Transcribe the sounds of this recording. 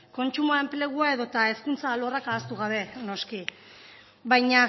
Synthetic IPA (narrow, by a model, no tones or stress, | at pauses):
ko̞nt͡ʃumuae̞mple̞ɣ̞uae̞ðo̞t̪ae̞skunt͡saːlo̞rakaːst̪uɣ̞aβ̞e̞no̞ski | βajɲa